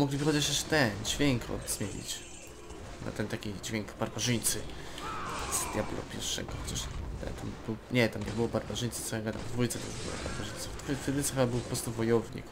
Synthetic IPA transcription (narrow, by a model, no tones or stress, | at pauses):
muɡlʲivɨxɔd͡ʑat͡ɕaʂt̪ɛnd͡ʑvʲjeŋkɔ̰ɡzmʲjelḭt͡ɕ | na̰t̪ɛnt̪akʲid͡ʑvʲeŋkbaɾbaʐɘɲt̪sɨ | z̥d̪̥ʲjablṵpʲjɛ̰ɾfʂɛ̰ɡɔxɔt͡ɕaʂt̪ɛ̰t̪ambɘwɲɛt̪amɲɛbɨwɔbaɾbaʐɘɲt̪sɨt̪sɔjaɡad̪a̰md̪vujt̪sɛt̪uʐbɨ̰wɔ̰ba̰ɾbaʐɘjt̪sɔft̪vjft̪d̪t̪sɔabɘwpɔpɾɔst̪uvɔjɔvɲḭk